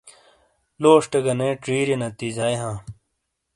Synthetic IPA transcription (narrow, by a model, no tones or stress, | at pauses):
loːʂʈeɡɐnẽːʈɾiːɾinɐt̪izaːjɦãː